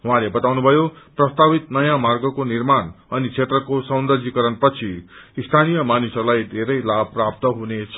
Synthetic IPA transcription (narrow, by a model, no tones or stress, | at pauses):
ɦũãlebʌt̪awnubʱʌjoprʌst̪abit̪nʌjãmarɡʌkonirmanʌnit͡sʰet̪rʌkosʌwnd̪ʌrd͡zikʌɾʌnpʌt͡sʰiist̪ʰanijʌmanisʌrlajd̪ʱeɾʌjlabprap̚t̪ʌɦunet͡sʰʌ